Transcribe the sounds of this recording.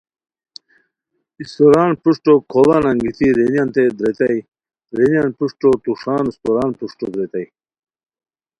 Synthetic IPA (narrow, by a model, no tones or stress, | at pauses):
ist̪oɾaːnpuʂʈokʰobanɐŋɡit̪iɾenijant̪ed̪ɾet̪ɐi | ɾenjanpuʂʈot̪uʂaːnist̪oɾaːnpuʂʈo̰d̪ɾet̪ɐi